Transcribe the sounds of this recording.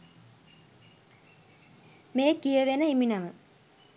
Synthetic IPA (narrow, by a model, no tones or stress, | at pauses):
meːkːijɐʋenəiminɐmə